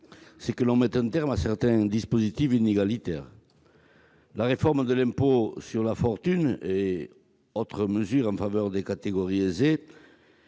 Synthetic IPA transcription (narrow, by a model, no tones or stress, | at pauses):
sɛkəlɔ̃mɛt̪ɛ̃nt̪ɛʁmasɛʁt̪ɛ̃d̪ispozit̪ifineɡalit̪ɛʁ | laʁefɔʁməd̪əlɛ̃mposyʁlafɔʁt̪yne | ot̪χəməzyʁɑ̃favœʁd̪ekat̪eɡɔʁieze